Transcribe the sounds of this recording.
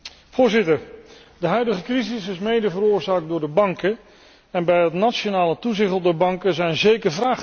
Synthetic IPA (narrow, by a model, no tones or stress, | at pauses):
v̥ʊːɹzɪtəɹ | dəɦœɥdəχəkrizɪsɪsmejdəvəɾʊːɹzaːɡ̚dʊːɹdəbɑŋkə | ɛnbɛjɦətnat͡ʃonaːlətuzɪχəl̩ˠdɛɹbɑŋkəzɛjnzejkəɹvraːχ